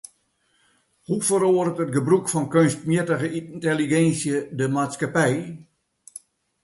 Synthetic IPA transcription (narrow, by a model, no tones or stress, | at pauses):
hufəɾoərətət̚ɡəbrukfɔnkønst̚mjɪtəɣəinteliɡɛnsjədəmaːtskapɛj